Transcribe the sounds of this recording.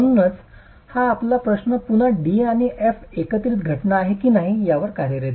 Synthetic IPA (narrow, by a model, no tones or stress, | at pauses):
unət͡s | haːplapɾəɕnəpun̤əɖiaɽ̃iʔefekət̪ɾiːt̪ɡʱəʈnaːɦekiːnaɦijaʋəɾkaɾjəɾet̪